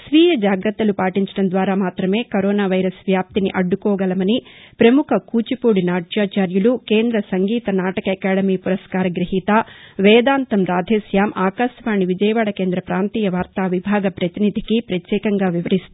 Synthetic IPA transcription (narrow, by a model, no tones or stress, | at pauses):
sʋiːjɐd͡ʒaːɡɾɐt̪ːɐlupaːʈiɲt͡ʃɐɽɐnd̪ʋaːɾaːmaːt̪ɾɐme̞ːkɐɾɔːnaːʋɐjɾɐsʋjaːp̚t̪iniʔɐɖːukɔːɡɐlɐmɐnipɾɐmukʰɐkuːt͡ʃipuːɽinaːʈjaːt͡ʃaːɾjulukeːnd̪ɾɐsɐŋɡiːt̪ɐnaːʈɐkɐɐkaːɽɐmiːpuɾɐskaːɾɐɡɾiɦiːt̪aːʋɛːd̪aːnt̪ɐmɾaːd̪ʱeːsjaːmʔaːkaʃjɐʋaːɳiʋid͡ʒɐjɐʋaːɽɐkeːnd̪ɾɐpɾaːnt̪iːjɐʋaːɾt̪aːʋibʱaːɡɐpɾɐt̪inid̪ʱikipɾɐt̪jɛːkɐŋɡaːʋiʋɐɾist̪u